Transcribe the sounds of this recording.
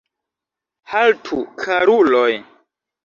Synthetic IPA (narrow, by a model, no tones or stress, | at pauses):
haltʰukʰaɾuloj